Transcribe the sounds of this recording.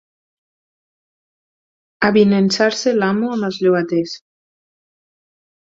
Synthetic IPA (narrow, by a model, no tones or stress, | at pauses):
aβinensaɾselamuamazʎuɣat̪es